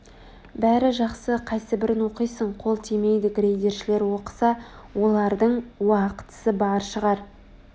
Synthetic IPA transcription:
bæɾɪʒɑqsəqʰɑjsəbɪɾɪnwo̞qijsəɴqʰo̞lˠt̪ʰime̞jd̪ɪɡɾejd̪e̞ɾʃɪle̞ɾwo̞qə̥sɑ | wo̞lˠɑɾd̪əɴwɑqə̥t̪ə̥səbɑɾʃəʁɑɾ

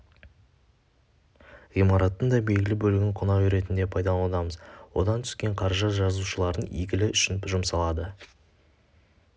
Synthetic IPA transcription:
imɑɾɑt̪ːəɴd̪ɑjbe̞lɡʲɪlɪbɵlɪɡʲɪŋqʰʊnɑʒʏɾe̞t̪ɪnd̪e̞pʰɑjd̪ɑɑd̪ɑməzwo̞̰d̪ɑnt̪ʰʏ̥skʲe̞ɴqʰɑɾʒɑt̪ʒɑzuʃəlˠɑɾənḭɡʲɪlɪʏʃɪnʒʊmsɑlˠɑd̪ə

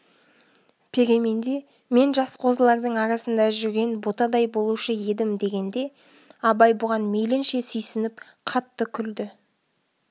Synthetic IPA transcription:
pʲʰe̞ɾʲe̞me̞nd̪e̞ | me̞nʒɑsqʰo̞zəlˠɑɾd̪əɴɑɾɑsənd̪ɑʒʏɾɡʲe̞nbot̪ɑd̪ɑjbo̞lˠuʃəje̞d̪ɪmd̪e̞ɡʲe̞nd̪e̞ | ɑbɑjbʊʁɑnme̞jlɪnʃe̞sʏjsɪnɪp̚ | qʰɑt̪ːəkʲʰʏld̪ɪ

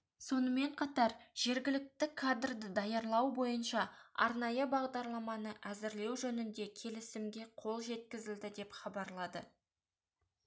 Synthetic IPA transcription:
so̞nəme̞ɴqʰɑt̪ɑɾʒ̥e̞ɾɡʲɪlɪk̚t̪ɪkʰad̪rd̪əd̪ɑjɑɾlˠɑwbo̞jənʃɑɑ̰ɾnɑjəbɑʁd̪ɑɾlˠɑmɑnəʔæzɪɾle̞wʒɵnɪnd̪e̞kʲʰe̞lɪsɪmɡʲe̞qʰo̞lˠʒe̞t̪kʲɪzɪld̪ɪd̪e̞pχɑbɑɾlˠɑd̪ə̰

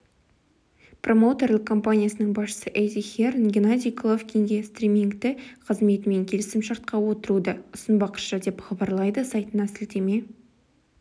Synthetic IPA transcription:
prʔo̞mot̪e̞rlɪkʰo̞mpanʲijasənəɴbɑsʃə̥səʔejd̪ixʲernɡʲɪnad̪ʲijkʰlˠovkʲʰeŋɡʲe̞st̪rʲimʲiŋkt̪ɪqʰəzme̞t̪ɪme̞ŋkʲʰe̞lɪsɪmʃɑɾt̪̚qɑwo̞t̪əɾud̪əʊsənbɑqʰə̥ʃʒɑd̪e̞pχɑbɑɾlˠɑjd̪əsɑjt̪ənɑsɪlt̪eme̞

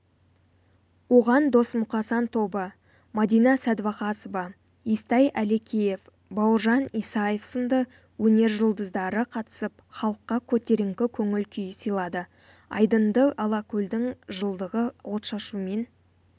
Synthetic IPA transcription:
wo̞ʁɑnd̪o̞smʊqɑsɑnt̪ʰo̞bə | mɑd̪ijnɑsæd̪vɑqɑsovɑ | ist̪ɑjæle̞kʲʰeje̞f | bɑwəɾʒɑnisɑjefsənd̪ə | wɵne̞ɾʒʊlˠd̪əzd̪ɑɾəqʰɑt̪ə̥səpχɑlˠəqːɑkʲʰɵt̪eɾɪŋkʲɪkʲʰɵŋɪlkʲʰʏjɪsijlˠɑd̪ə | ɑ̰jd̪ənd̪əʔɑlˠɑkʲʰɵld̪ɪŋʒəlˠd̪əʁəwo̞t̪ʃɑʃume̞n

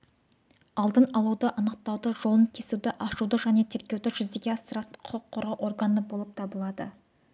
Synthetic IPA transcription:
ɑlˠd̪ənɑlˠud̪əʔɑnəq̚t̪ɑwd̪əʒo̞lˠəŋkʲʰe̞suwd̪ɪʔɑʃud̪əʒæne̞t̪ʰe̞ɾkʲe̞wd̪ɪʒʏzd̪eɡʲe̞ɑst̪əɾɑt̪əɴqʰʊəqʰːʊɾɑwʔo̞rɡanəbo̞lˠəp̚t̪ʰɑbəlˠɑd̪ə̰

